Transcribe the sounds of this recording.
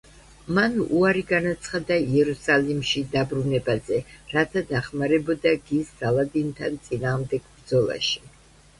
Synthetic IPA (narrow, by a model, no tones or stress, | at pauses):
manuaɾiɡanat̪sʰχad̪aiɛɾusalimʃid̪abɾunɛbazɛɾat̪ʰad̪aχmaɾɛbɔd̪aɡisːalˠad̪int̪ʰant̪sʼinaːʁmd̪ɛɡ̥bɾd̪zɔlˠa̰ʃi̥